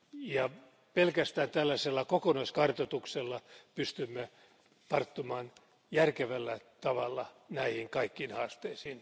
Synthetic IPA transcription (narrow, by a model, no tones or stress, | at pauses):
jɑ | pelkæst̪æːnt̪ælːæselːɑkokonɑiskɑrt̪ot̪ukselːɑpyst̪ymːe | t̪ɑrt̪ːumɑːn | jærkeʋælːæt̪ɑʋɑlːɑnæihiŋkɑikːiːnhɑːst̪eisiːn